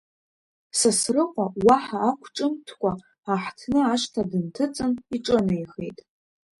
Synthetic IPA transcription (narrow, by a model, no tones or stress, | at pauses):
sasrɨqʷʼawaħaːkʷʰʈ͡ʂʼɨmtʰkʷʼaː | ħtʰnɨaʃʷtʰadɨntʰɨt͡sʼɨniʈ͡ʂʼɨnajχḛjtʼ